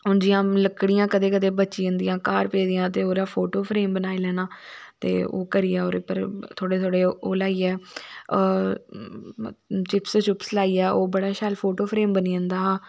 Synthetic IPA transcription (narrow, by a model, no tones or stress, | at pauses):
ʊnd͡ʒɪjãːləkːɽijãːkəd̪eːkəd̪eːbətːʃiːʊnd̪ijãːkaːɾpeːd̪ijãːt̪̬eːoːɾaːpʰoːʈoːpʰɾeːmbənaːiːlɛːnaːt̪ḛːo̰ːkəɾiːaːoːɾɪpːə̰ɾt̪ʰoːɽeːt̪ʰoːɽeːoːlaːiːɛː | t͡ʃɪpst͡ʃʊpslaːiːɛːʔoːbəɽaːʃaːlpʰoːʈoːpʰɾeːmbəniːə̃nd̪aː